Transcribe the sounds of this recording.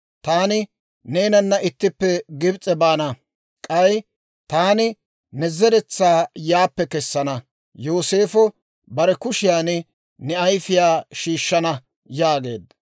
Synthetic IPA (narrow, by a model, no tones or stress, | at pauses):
t̪aːnɪ | ne̞ːnɐnːɐʔɪt̪ːɪpːɛɡɪbt͡sʼɛbaːnɐ | kʼɐj | t̪aːnɪ | nɛzɛɾɛt͡sːaːjaːpːɛkɛsːɐnɐ | joːseːfɔ | bɐɾɛkʊʃɪjaːn | nɛɐjfɪjaːʃiːʃːɐnɐ | jaːɡe̞̰ːd̪ɐ